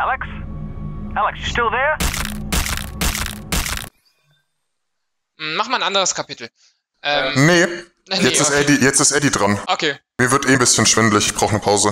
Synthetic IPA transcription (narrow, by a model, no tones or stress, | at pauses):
ʔælɛks | ʔælɛksʃtɪlˠðɛ | m̩maχmaːnʔandəʁəskʰapitl̩ | ʔɛːmnə | jɛt͡sɪssɛdijɛt͡stɪstʔɛdidʁanʔokʰeːmiːɐvɪɐtʔeːn̩bɪsçənʃv̥ɪndlɪçɪçb̥ʁaʊxnəpʰaʊzə